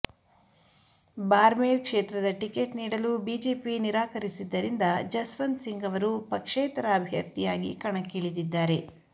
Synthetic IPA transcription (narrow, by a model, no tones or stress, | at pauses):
baːɾmeːɾkʂeːt̪ɾɐd̪ɐʈike̞ːʈniːɽɐlubiːd͡ʒeːpiniɾaːkɐɾisid̪ːɐɾind̪ɐd͡ʒɐsʋɐnd̪siŋɡɐʋɐɾupɐkʂeːt̪ɐɾɐːbʱjɐ̰ɾt̪ijaːɡḭkɐɳɐkːiɭid̪id̪ːaːɾe̞